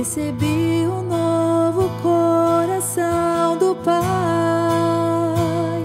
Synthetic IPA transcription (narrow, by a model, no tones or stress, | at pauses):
esebiʊnovʊkʰoɾasɐ̃w̃d̪ʊpa